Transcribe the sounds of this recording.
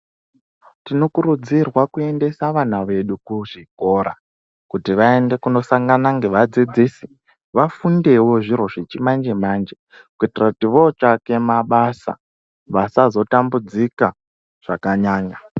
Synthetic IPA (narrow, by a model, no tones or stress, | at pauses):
tino̞kuɾud͡zirwakue̞nde̞saʋan̤aʋe̞ɗukuʐiko̞ɾa̰ | kutiʋae̞nde̞kuno̞saŋɡanaŋɡe̞ʋad͡zid͡zisi̥ | ʋafunde̞wo̞ʐiɾo̞ʐet͡ʃimand͡ʒe̞mand͡ʒe̞ | kuitirakutiʋo̞t͡ʃake̞maɓasa̰ | ʋasazo̞tambud͡zika | ʐ̥akaɲaːɲa